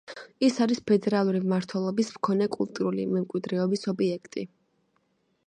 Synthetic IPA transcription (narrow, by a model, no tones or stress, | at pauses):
isaɾispʰɛd̪ɛɾalˠuɾimmaɾt̪ʰwɛlˠɔbismkʰɔnɛkʼulˠt̪ʼuɾulḭmɛmkʼwid̪ɾɛɔbisɔbiɛkʰt̪ʼi